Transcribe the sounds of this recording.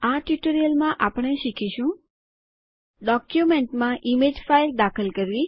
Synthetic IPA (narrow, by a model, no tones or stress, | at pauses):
aʈjuʈoɾijəlmãʔapɽ̃eʃikʰiʃũ | ɖɔkjumeɳʈmãʔimed͡ʒfajld̪akʰəlkəɾʋi